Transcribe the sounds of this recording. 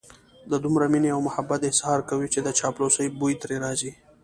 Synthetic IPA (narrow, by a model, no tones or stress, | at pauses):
d̪əd̪umɾamineawmʊhabːat̪ɪshɑɾkawit͡ʃed̪ət͡ʃɑplosəjbujt̪ɾeɾɑzi